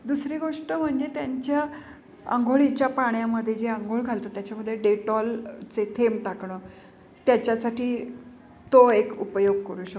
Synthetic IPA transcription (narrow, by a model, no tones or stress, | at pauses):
d̪usɾiɡoʂʈəm̤əɳd͡zet̪jaɲt͡ɕja | ə̰ŋɡʱoɭit͡ɕjapaɳjaməd̪ʱːjed͡ʑeəŋɡʱoɭɡʱalt̪əːt̪jat͡ɕaməd̪ʱːjeɖeʈɔlt͡set̪ʰemʈakɳəː | t̪jat͡ɕjasaʈiː | t̪oekupəjoɡkəɾũːɕə